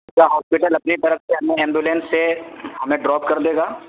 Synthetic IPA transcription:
kaɦɔːspɪʈəlɐpnit̪ɐɾəfseɦɐmẽɛ̃ːmbjuːlẽːnsːehɐmẽɖɾɔːp̚kɐɾd̪eːɡaː

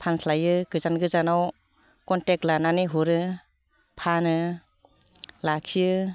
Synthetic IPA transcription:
pʰanslajɯɡɯzanɡɯzanaw | kɔntek̚tlananiɦuɾɯ | pʰanɯ | lakʰijɯ

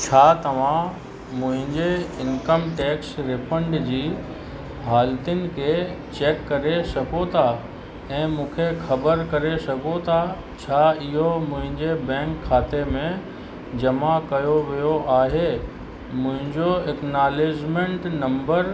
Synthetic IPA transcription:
t͡ɕʰaːt̪ɐʋ̤ã | mʊ̃ɦɪ̃ɲd͡ʑeɪnkəmʈɛːksɾɪpʰəɳɖd͡ʑiː | ɦaːlt̪ɪʊnɪ̆kʰet͡ɕeːkːɐɾesɐɡot̪ʰa | ɛ̃ːmũːkʰexɐbəɾkɐɾesɐɡot̪ʰa | t͡ɕʰaːɪɦomʊ̃ɦɪ̃ɲd͡ʑebɛ̃ːŋkʰːaːt̪emẽ | d͡ʑɐmakɐjoʋijoʔaːɦe | mʊ̃ɦɪ̃ɲd͡ʑoeknaːleːd͡ʑmẽɳʈnɐ̃mbəɾ

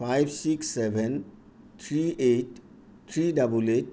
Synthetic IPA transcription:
fajbsiksːɛʋɛ̃n | t̪ʰɾiːʔeʈ | t̪ʰɾiːɖɐbuleʈ̚

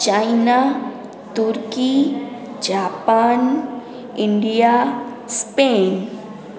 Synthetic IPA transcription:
t͡ʃajna | t̪uɾki | d͡ʒaːpan | ɪɳɖija | speːn

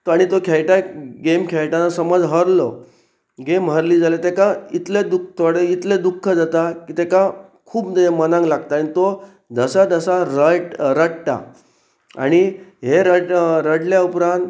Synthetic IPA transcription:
t̪aɽ̃it̪okʰɛɭʈaɡemkʰeɭʈanasəməd͡zɦəɾlɔ | ɡemɦəɾliːd͡zalet̪ekait̪led̪uk̚ʰt̪ʰoɽeit̪led̪ukʰːəd͡zat̪akiːt̪ekãkʰuːbd̪mənãŋɡlaɡt̪aːɽ̃it̪o | d̪əsad̪əsaɾəʈɾəɽt̪a̰ | a̰ɽ̃iɦeɾəɾəɽljaupɾãnt̪

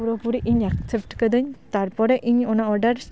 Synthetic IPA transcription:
uɾɔpuɾiʔiɲak̚sep̚ʈkəd̪ɯɲt̪aɾpɔɾɛʔiɲɔnaɔɾɖaɾs

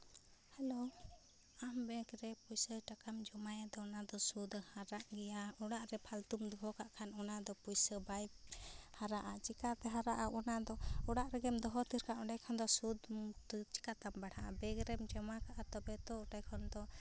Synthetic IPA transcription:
hɛlo | ambɛ̃kɾɛpujsəʈakamd͡ʒɔmajad̪ɔɔnad̪ɔsud̪haɾaʔɡɛjaɔɽaʔɾɛpʰalt̪umd̪uɦɔkaʔkʰanɔnad̪ɔpujsəbajbhaɾaʔat͡ʃikat̪ɛɦaɾaʔaʔɔnad̪ɔɔɽaʔɾɛɡɛmd̪ɔɦɔt̪iɾkaʔɔɖajkʰɔnd̪ɔsud̪t͡ʃi̥kat̪ambaɽ̤aʔabɛɡɾɛmd͡ʒɔmakaʔat̪ɔbɛt̪ɔɔʈajkʰɔnd̪ɔ

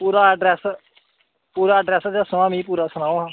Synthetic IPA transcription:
puːɾaːəɖɾɛːs | puːɾaːəɖɾɛːsd͡ʒaːsəm̃ãːmĩːpuːɾaːsənaːoːɦãː

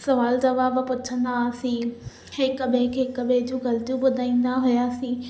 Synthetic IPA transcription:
sɐʋaːld͡ʑɐʋaːbpʊt͡ɕʰə̃nd̪asĩː | hẽkəɓẽkʰekəɓẽd͡ʑũːɡɐlt̪ijũɓʊd̪ʱaːĩːn̆d̪aɦʊjaːsĩː

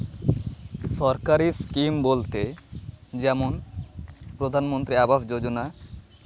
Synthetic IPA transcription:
ʃɔɾkaɾiskimbolt̪e | d͡ʑɛmon | pɾod̪ʱanmont̪ɾiabafd͡ʑod͡ʑona

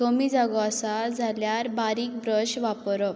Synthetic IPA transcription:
somiːd͡zaɡɔasad͡zʱaljaɾbaɾiːk̚bɾəɕʋapɾɔ

